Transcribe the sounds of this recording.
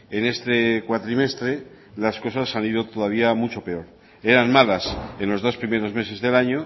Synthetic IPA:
ene̞st̪ekwat̪ɾime̞st̪ɾe̞ | lasko̞sasaniðo̞t̪oðaβ̞iamut͡ʃo̞pe̞o̞ɾ | e̞ɾanmalase̞nlo̞zðo̞spɾime̞ɾo̞zme̞se̞zðe̞laɲo

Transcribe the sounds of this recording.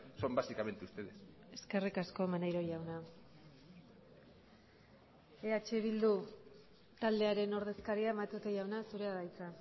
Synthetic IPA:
so̞mbasikame̞nt̪ust̪eðes | e̞ske̞rikasko̞manajɾo̞jawna | eat͡ʃeβild̪u | t̪ald̪e̞aɾe̞no̞ɾð̞e̞skaɾiaemat̪ut̪ejawnasuɾe̞aðajt͡sa

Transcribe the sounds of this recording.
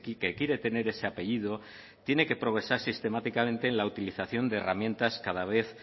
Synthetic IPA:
kike̞kje̞ɾe̞t̪e̞ne̞ɾe̞se̞ape̞ʝiðo | t̪je̞ne̞ke̞pɾo̞ɣ̞ɾe̞saɾsist̪e̞mat̪ikamẽ̞nt̪e̞ːnlaut̪iliθaθjo̞nd̪e̞ːramjẽ̞nt̪askaðaβ̞e̞θ

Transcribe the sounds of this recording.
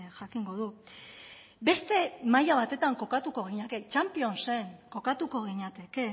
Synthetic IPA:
ʝakiŋɡo̞ðu | be̞st̪e̞majaβ̞at̪e̞t̪aŋko̞kat̪uko̞ɣiɲake̞t͡ʃampio̞nse̞ŋko̞kat̪uko̞ɣ̞iɲat̪e̞ke̞

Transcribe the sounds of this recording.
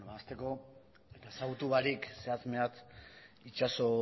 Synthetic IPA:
noβaːst̪e̞ko̞ | e̞t̪asaut̪uβaɾikse̞at͡sme̞at͡s̪it͡ʃaso̞

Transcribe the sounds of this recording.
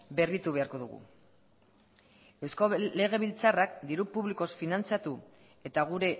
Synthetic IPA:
be̞rit̪uβe̞aɾko̞ðuɣṵ | e̞wsko̞le̞ɣ̞e̞βilt͡sarakd̪iɾupuβliko̞sfinant͡sat̪u | e̞t̪aɣ̞uɾe̞

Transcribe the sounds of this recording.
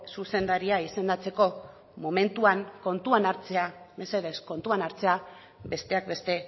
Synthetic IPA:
suse̞nd̪aɾiaise̞nd̪at͡se̞ko̞ | mo̞me̞nt̪uaŋko̞nt̪uanaɾt͡se̞ame̞se̞ðe̞sko̞nt̪uanaɾt͡se̞a | be̞st̪e̞akbe̞st̪e̞

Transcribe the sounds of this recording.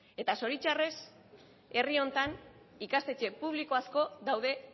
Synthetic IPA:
e̞t̪aso̞ɾit͡ʃare̞s | e̞rio̞nt̪an | ikast̪e̞t͡ʃe̞puβ̞liko̞asko̞ðawðe̞

